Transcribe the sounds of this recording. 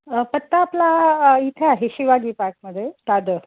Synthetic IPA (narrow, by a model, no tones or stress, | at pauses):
əpət̪ːaːplait̪ʰjaɦeɕiʋaɡiːpaɾk̚məd̪ʱːjet̪ad̪ə